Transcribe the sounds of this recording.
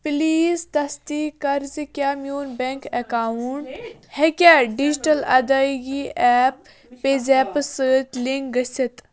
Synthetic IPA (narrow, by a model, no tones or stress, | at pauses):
pliːzd̪ɐst̪ikɐɾzikʲjaːmjuːnbẽŋkɐkauɳʈ | hekʲaɖid͡ʒiʈɐlɐ̰d̪aɡiɛːp̚ː | eːzɛːpəsəːt̪liŋɡɡɐsɐt̪